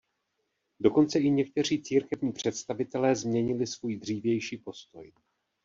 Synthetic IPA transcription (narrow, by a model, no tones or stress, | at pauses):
do̞ko̞nt͡sɛɪɲɛk̚t̪ɛr̝iːt͡siːɾkɛvɲiːpr̥ɛt̪st̪avɪt̪ɛlɛːzmɲɛɲɪlɪsvuːjd̪r̝iːvjɛjʃiːpo̞st̪o̞̰j